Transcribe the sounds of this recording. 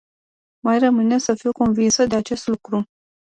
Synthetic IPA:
majrəmɨnesəfiwkonvinsəd̪e̞at͡ʃe̞st̪lukɾu

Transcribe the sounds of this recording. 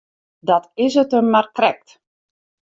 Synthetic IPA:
dɔtɪsətəmːarkrɛk̚t

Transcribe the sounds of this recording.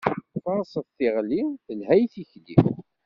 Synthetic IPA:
θɑɾˤsˤəðθɪʁliθəlhæjθiçlḭ

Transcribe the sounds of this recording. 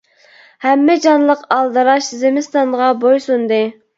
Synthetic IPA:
hɛmːɪd͡ʒɑnlˠəqɑlˠd̪ɨɾɑʃzemɪst̪ɑnʁɑbojsund̪ɨ

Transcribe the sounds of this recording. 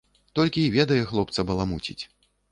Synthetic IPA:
t̪ɔlʲkʲiːvʲɛd̪ɐjɛxlˠɔpt̪sɐbɐlˠamut͡sʲḭt͡sʲ

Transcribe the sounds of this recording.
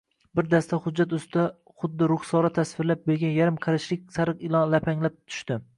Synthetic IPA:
bɪɾd̪ast̪ʰaχʊd͡ʒːat̪ʊst̪ɪd̪a | χʊd̪ːɪɾʊχsɒɾat̪ʰasvɪɾlap̚beɾɡʲanjaɾɪmqʰɑɾaʃlɪk̚ʲsaɾɨqɪlˠɒlapʰaŋlap̚t̪ʰʊ̥ʃt̪ɪ

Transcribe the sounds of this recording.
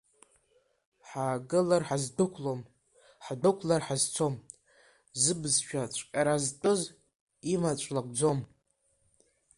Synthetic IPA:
ħaːɡɨlarħazdɨkʷʰlom | ħdɨkʷʰlarħazt͡sʰom | zɨbzʃᶣat͡ʃʷʰʼkʲʼaɾaztʼɨz | imat͡ʃʷʼlakʷʼd͡zo̞m

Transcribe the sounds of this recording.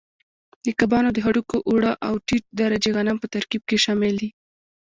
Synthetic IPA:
d̪əkabɑnod̪əɦaɽukoʔuɽaʔawʈiʈ̚d̪aɾad͡ʒeɣanampət̪aɾkib̚keʃɑmɪld̪i

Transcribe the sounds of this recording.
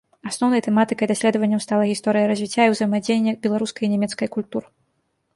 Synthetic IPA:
asnɔwnɐjt̪ɛmat̪ɨkɐjd̪asʲlʲɛd̪ɐvɐnʲːɐmwst̪alˠɐɣʲist̪ɔɾɨjɐɾɐzʲvʲit͡sʲːaiwzɐjmad͡zʲenʲːɛbʲɛlˠaɾuskɐjinʲɛmʲɛt̪skɐjkulʲt̪uɾɨ

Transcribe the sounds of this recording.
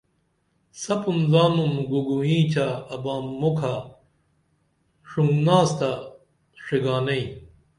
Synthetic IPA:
sɐpunzaːmumɡuɡuĩːt͡ɕʰaɐbaːukʰa | ʂuŋɡnaːst̪a | ʂiɡaːnɐĩ

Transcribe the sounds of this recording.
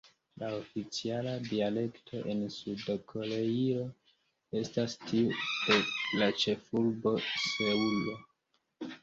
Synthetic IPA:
lao̞fit͡sialadiale̞ktʰo̞ʔe̞nsudkʰo̞ɾe̞io̞ | e̞stastʰiudelat͡ʃe̞fulbo̞seulo

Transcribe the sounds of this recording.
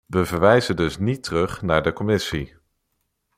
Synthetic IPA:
ʋəvəɹʋɛjzədɵsnitərɵχnaːɹdəkɔmɪsi

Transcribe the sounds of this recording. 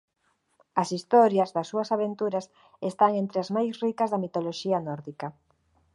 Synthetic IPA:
ɐsist̪ɔɾjɐzðɐsːuɐsaβent̪uɾɐs | est̪aŋent̪ɾeazmajsrikɐzðɐmit̪oloʃiɐnɔɾðikɐ

